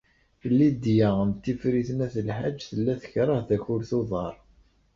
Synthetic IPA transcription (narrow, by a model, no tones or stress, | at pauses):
əlːid̪jaənt̪ːifɾiθənæθəlħad͡ʒːθəlːæθə̥çɾˤɑhðæçʊɾθoðˤɑɾˤ